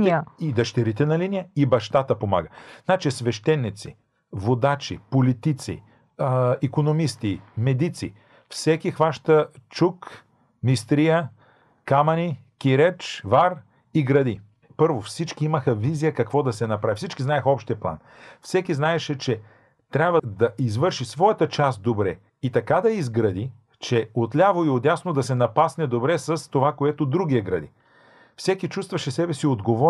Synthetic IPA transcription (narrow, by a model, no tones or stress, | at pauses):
id̪ɐʃt̪ɛɾit̪ɛnɐlinijəibɐʃt̪at̪əpoma̰ɡəznat͡ʃisvɛʃt̪ɛnːit̪sḭ | vod̪at͡ʃḭpolit̪it̪sḭ | ikonomist̪imɛd̪it̪sḭ | fsɛkixvaʃt̪ət͡ʃuk | mist̪ɾijə | kamɐni | kʲiɾɛt͡ʃvaɾ | iɡɾɐd̪i | pɤɾvofsit͡ʃkiimɐxɐvizijəkɐkvɔd̪ɐsɛnɐpɾavifsit͡ʃkiznaɛxɔpʃt̪iɐplˠa̰n | fsɛkiznaɛʃɛt͡ʃɛ | t̪ɾʲabvəd̪ɐʔizvɤɾʃisvɔjət̪ət͡ʃast̪̚d̪obɾɛ | it̪ɐkad̪ɐizɡɾɐd̪i | t͡ʃɛot̪lʲavoiod̪ʲjasnod̪ɐsɛnɐpasnɛd̪obɾɛsɐst̪ovakoɛt̪od̪ɾuɡiɛɡɾɐ̰d̪i | fsɛkit͡ʃust̪vɐʃɛsɛbɛsiod̪ɡovɔ